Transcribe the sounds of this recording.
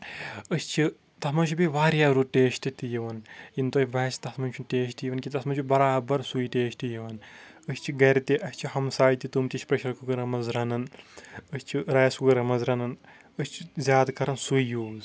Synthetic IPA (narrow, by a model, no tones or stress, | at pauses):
əst͡ʃʰi | t̪ɐsmɐnt͡ʃʰubiʋaːɾjaːɾuʈeːʃʈit̪ijiʋɐnjint̪oːbɐst̪ɐsmɐnʲt͡ʃʰunʈeːʃ̬ʈijiʋɐnkit̪ɐsmɐnt͡ʃʰubɐɾaːbɐɾsuiʈeːʃtijiʋɐnəsʲt͡ʃʰiɡɐɾt̪iʔɐsʲt͡ʃʰihɐmsaːjit̪it̪umt̪ʲiʃʲpɾɐʃɐɾkuɡɨɾɐmɐzɾɐnɐnəsʲt͡ʃʰiɾɐjɐsukɨɾɐmɐzɾɐnɐn | əsʲt͡ʃʰizʲjaːd̪kɐɾɐnsujjuːz